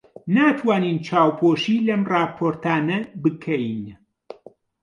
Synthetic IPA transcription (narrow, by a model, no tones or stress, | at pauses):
naːt̪ʰwaːniːnt͡ʃʰaːwpʰoːʃiːlɐmrɑːpʰoːɾt̪aːnɐbɨkʰɛjn